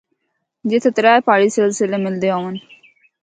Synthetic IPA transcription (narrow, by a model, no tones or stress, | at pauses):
d͡ʒet̪ʰət̪ɾaːepaːɽiːseːlsɪleːmɪld̪eːoːʋən